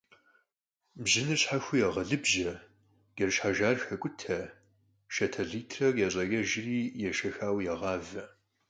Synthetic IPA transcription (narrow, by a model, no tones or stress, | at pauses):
bʑɪnɨrɕħaxʷʊjɛʁɐɮɨbʒɐ | ɡ̥ɐrʃħaʒaːrxɐkʷʼʊtʰɐ | ʃɐtʰɐɮiːtʰrɐɡɐɕʼɐɣɐʒɪriːjɛʃɐxaːwjɛʁɑːvɐ